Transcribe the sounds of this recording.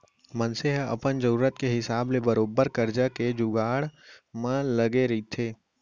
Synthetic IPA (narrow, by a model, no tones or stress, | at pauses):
mɐnseɦɐ̰pənd͡ʒəɾuːɾət̪keɦɪsaːblebɐɾoːbəɾkɐɾd͡ʒaked͡ʒʊɡaːɽmãlɐɡeɾit̪ʰeː